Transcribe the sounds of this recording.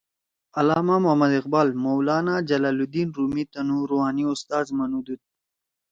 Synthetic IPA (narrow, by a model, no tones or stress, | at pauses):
ɐlaːmamʊɦmɐd̪ɪqbaːlmowlɑːnad͡ʒɐlaːlud̪iːnɾuːmit̪ɐnuɾuɦaːniʊst̪aːzmɐnud̪ud̪̚